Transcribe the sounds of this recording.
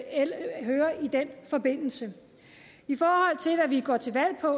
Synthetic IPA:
eɦøːɐid̥en̰fɒ̽be̝n̰l̩sə | ifɒːhɒ̽l̰t͡sʰe̝lʋæʋiɡ̥ɒ̰t͡sʰe̝ʋæl̰pʰɒ̽

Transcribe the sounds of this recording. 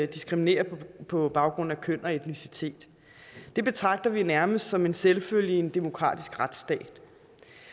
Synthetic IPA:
d̥isɡ̥ʁimine̝̰ːɐpʰɒ̽b̥ɑ̈ʊɡ̥ʁɔ̽n̰n̩ækʰøn̰ɒ̽e̝d̥nisit͡sʰe̝̰ːd̥ | d̥e̝b̥e̝t͡sʰʁɑ̈ɡ̥̚d̥ɐʋinæɐməsd̥sɒ̽me̝nselføljie̝nd̥e̝mo̝kʰʁɑ̰̈ːd̥isɡ̥ʁad̥sd̥ɛ̰ːd̥

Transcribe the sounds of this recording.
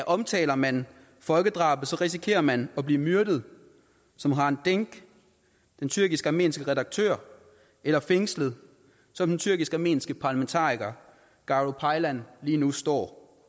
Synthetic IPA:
æʔɒ̽mt͡sʰɛ̰ːlɐmæn | fɒ̽lɡ̥əd̥ʁɑ̰̈ːb̥ˠsɒ̽ʁis̬ikʰe̝̰ːɐmænɒ̽b̥liːmyɐd̥əð̞̩ˠ | sɒ̽mɦɑ̈e̝nd̥eŋɡ̥ | d̥ent͡sʰyɐɡ̥isɡ̥æme̝̰ːnsɡ̥əʁɛdɑ̈ɡ̥̚t͡sʰø̰ːɐ̰ | elɐfeŋsləð̩ˠ | sɒ̽md̥ent͡sʰyɐɡ̥isɡ̥æɑme̝̰ːnsɡ̥əpʰɑ̈ːlæment͡sʰɑ̰̈ːʁiɡ̥ɐ | ɡ̥ɑ̈ʁopʰɑ̈ɪlænliːnusd̥ɒ̰ː

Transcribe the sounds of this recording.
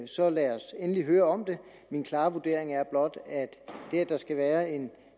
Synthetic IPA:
sɒ̽læɒsenəliɦøːɐɒ̽md̥e̝ | minkʰlɑ̈ːʋud̥e̝̰ɐ̰e̝ŋæɐb̥lɒ̽d̥æd̥d̥eæd̥ɑ̈sɡ̥æʋæːɐe̝n

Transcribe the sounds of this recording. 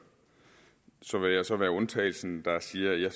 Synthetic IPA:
sɒ̽ʋe̝jɑ̈ɪsɒ̽ʋæːɐɔ̽nt͡sʰɛ̰ːɪl̩sn̩d̥ɑ̈siːɐjɑ

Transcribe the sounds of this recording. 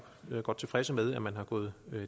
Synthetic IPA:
øɡ̥ɒ̽d̥̚t͡sʰe̝fʁɛsəmeðˠæmænɦɑ̈ɡ̥ɔ̰ːð̞̩ˠø

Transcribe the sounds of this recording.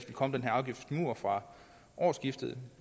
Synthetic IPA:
fd̥n̩kʰɒ̽m̰denɦæɐɑ̈ʊɡ̥ifd̥d̥muɐfʁɑ̈ | ʔɒːsɡ̥ifd̥əð̩ˠ

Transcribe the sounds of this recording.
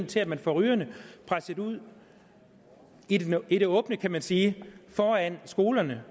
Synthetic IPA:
t͡sʰe̝læd̥mænfɒʁyːɐnəpʰʁasəd̥uð̰ˠ | iiɾ̥e̝ɔ̽ːb̥nəkʰæmænsiːfɒːænsɡ̥o̝ːlɐnə

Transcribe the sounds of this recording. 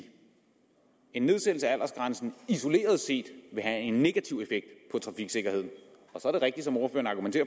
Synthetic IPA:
e̝nːe̝ð̞ˠsel̩səææl̰ʔɐsɡ̥ʁansn̩iso̝le̝̰ːɐð̞ˠse̝̰ːd̥ʋe̝ɦæe̝nːe̝ɡ̥æt͡sʰiʊ̰efeɡ̥̚d̥pʰɒ̽t͡sʰʁɑ̈fiɡ̥se̝ɡ̥ɐhe̝ð̞̰ˠn̩ | ɒ̽sɒ̽æɐɾ̥eʁɛɡ̥̚d̥i̥sɒ̽mo̝ːɐfø̰ɐnɑ̈ɡ̥ument͡sʰe̝ːɐ

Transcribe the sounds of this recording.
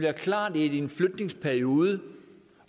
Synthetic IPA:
liɐkʰlɑ̰̈ːd̥edienfløɡ̥ne̝ŋspʰæɐio̝ːðˠə

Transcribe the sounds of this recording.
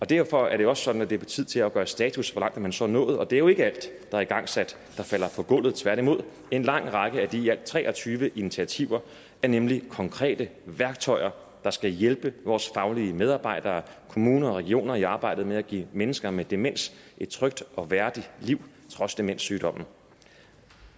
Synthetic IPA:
ɒ̽d̥æɐ̰fɒ̽æɐɾ̥eɒ̽ssɒ̽d̥n̩ædd̥e̝ɐb̥ʰet͡sʰið̞̰ˠt͡sʰe̝læɡ̥ɶːɐsd̥ɛ̰ːt͡sʰusʋɒlɑ̈ŋ̰d̥æmænsɒ̰nɔ̰̽ːð̩ˠɒ̽d̥e̝æɐjo̝e̝ɡ̥əæl̰d̥ːɑ̈ɐiɡ̥ɑ̈ŋ̰sæd̥ːɑ̈fæl̰ɐfʰɒ̽ɡ̥ɔ̽l̰ð̞̩ˠt͡sʰʋæɐ̰ɾ̥imo̝ð̞̰ˠ | e̝nlɑ̈ŋ̰ʁɑ̈ɡ̥əæd̥iæl̰d̥̚t͡sʰʁɛ̰ːɒ̽t͡sʰyːʋəʔinit͡sʰiæt͡sʰiʊ̰ɐ | æɐnemlikʰɒ̽ŋkʰʁɛ̰ːd̥əʋæɐɡ̥̚t͡sʰɒ̽ɪ̰ɐ | d̥ɑ̈sɡ̥æjelb̥əʋɒːsfɑ̈ʊliəmeð̞ˠɑ̈ːb̥ɑ̈ɪ̰d̥ɐːkʰo̝muːnɐɒʁɛɡ̥io̝̰ːnɐiɑ̈ːb̥ɑ̈ɪ̰d̥ð̩ˠmeæɡ̥ḭːmenəsɡ̥ɐmed̥e̝men̰sʔe̝d̥̚t͡sʰʁœɡ̥̚d̥ɒ̽ʋæɐd̥iliʊ̰ | t͡sʰʁɒ̽sd̥e̝men̰syːd̥ɒ̽m̰n̩

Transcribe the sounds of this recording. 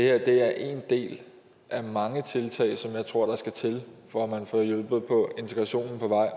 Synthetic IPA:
e̝heɐ̰d̥e̝æɐʔe̝ːnd̥e̝̰ːl | ʔæmɑ̈ŋət͡sʰe̝lt͡sʰɛ̰ɪsɒ̽mjɑ̈ɪt͡sʰʁo̝ɐ̰ɾ̥ɑ̈sɡ̥æt͡sʰe̝lfɒæmænfɔjɔlb̥ð̩ˠpʰɒ̽e̝nt͡sʰeɡ̥ʁɑ̈ɕo̝̰ːnn̩pʰɒ̽ʋɑ̈ɪ̰

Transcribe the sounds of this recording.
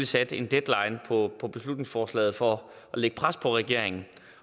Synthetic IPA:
lisæd̥e̝nd̥ed̥lɑ̈ɪnpʰɒpʰɒ̽b̥e̝slud̥ne̝ŋsfɒːslɛ̰ːð̩ˠfɒ | ɒleɡ̥əpʰʁaspʰɒ̽ʁɛɡ̥e̝ɐ̰e̝ŋn̩

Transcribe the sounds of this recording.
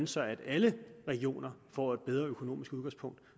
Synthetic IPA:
nəsɑ̈ɪæd̥æləʁɛɡ̥io̝̰ːnɐfɒ̰ːe̝d̥̚b̥eð̞ˠʁɐøkʰo̝no̝̰ːmisɡ̥uðˠɡɑ̈ŋspʰɔ̽ŋ̰d̥

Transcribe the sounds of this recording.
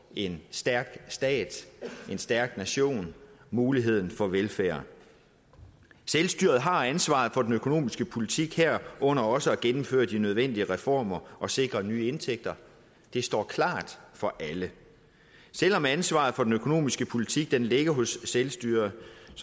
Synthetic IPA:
e̝nsd̥æɐɡ̥sd̥ɛ̰ːd̥e̝nsd̥æɐɡ̥næɕo̝̰ːnmuːliɦe̝ð̰ˠn̩fɒ̽ʋelfæːɐ̰ | selsd̥yːɐð̞̩ˠɦɑ̈ænsʋɑ̰̈ːð̩ˠfɒ̽d̥enøkʰo̝no̝̰ːmisɡ̥əpʰo̝lit͡sʰiɡ̥heɐ̰ʔɔ̽n̰ɐɒ̽səæɡ̥enm̩fø̰ːɐd̥inøð̞ˠʋen̰d̥iəʁɛfɒ̰ːmɐʔɒ̽se̝ɡ̥ʁɐnyːe̝nt͡sʰeɡ̥̚d̥ɐ | d̥e̝sd̥ɒ̰ːkʰlɑ̰̈ːd̥fɒ̽ʔælə | sel̰ɒ̽mænsʋɑ̰̈ːð̩ˠfɒ̽d̥en̩økʰo̝no̝̰ːmisɡ̥əpʰo̝lit͡sʰiɡ̥̚d̥enle̝ɡ̥ɐɦɔ̽sːelsd̥y̰ːɐð̩ˠ

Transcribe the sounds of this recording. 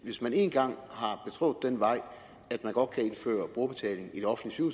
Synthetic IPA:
ʋe̝smæne̝ːnɡ̥ɑ̈ŋ̰hɑ̈b̥e̝t͡sʰʁo̝̽ːð̩̥ˠenʋɑ̈ɪ̰ | æd̥mænɡ̥ɒ̽d̥̚kʰæe̝nfø̰ːɐb̥ʁoɐb̥e̝t͡sʰɛ̰ːle̝ŋ̩id̥eɒ̽fn̩dlisu

